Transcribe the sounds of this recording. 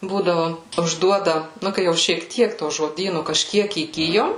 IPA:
ˈbuːdɐʋʊ ʊʒˈduɔdɐ ˈnʊ kɐɪ jɛʊ ʃʲiɛk ˈtʲiɛk toː ʒoːˈdʲiːnʊ kɐʃʲˈkʲiɛk iːˈɡʲɪjoːm

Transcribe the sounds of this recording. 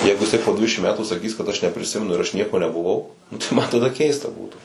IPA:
ˈjɛɪɡʊ jɪˈsɐɪ poː ˈdʲʋʲɪdʲɛʃʲɪm ˈmʲæːtuː sɐˈkʲiːs kɐt ɐʃ nʲɛpʲrʲɪˈsʲɪmʲɛnʊ ɪr ɐʃ ˈnʲiɛkoː nʲɛbʊˈʋɐʊ nʊ tɐɪ ˈmɐ tɐˈdɐ ˈkʲɛɪstɐ ˈbuːtuː

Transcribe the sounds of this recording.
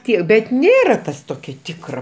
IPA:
ˈtʲiɛ bʲɛt ˈnʲeːrɐ ˈtɐs ˈtoːkʲɛ ˈtʲɪkrɐ

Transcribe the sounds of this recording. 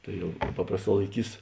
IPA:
ˈtɐɪ jɛʊ ˈpɑːprɐsˌtɑː lˠɐɪˈkʲiːs

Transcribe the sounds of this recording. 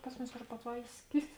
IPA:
ˈpɐs mʊˌmʲɪs pɐtˈʋɐɪsʲˌkʲɪs

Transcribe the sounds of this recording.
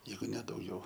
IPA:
ˈjɛɪɡʊ nʲɛ dɐʊˈɡʲɛʊ

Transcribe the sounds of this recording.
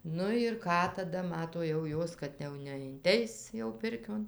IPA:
ˈnʊ ɪr ˈkɑː tɐˈdɐ ˈmɑːtoː jɛʊ ˈjoːs kɐt jɛʊ nʲɛɪnʲˈtʲɛɪs jɛʊ ˈpʲɪrʲkʲoːn

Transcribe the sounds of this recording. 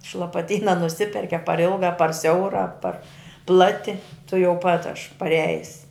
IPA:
ɪʃ lˠɐpɐˈtʲiːnɐ nʊˈsʲɪpʲɛrʲkʲɪ ɐ pɐr ˈɪlˠɡɐ ɐ pɐr ˈsʲɛʊrɐ ɐ pɐr ˈplˠɑːtʲɪ tʊˈjɛʊ pɐt ɐʃ pɐˈrʲæːjɪs

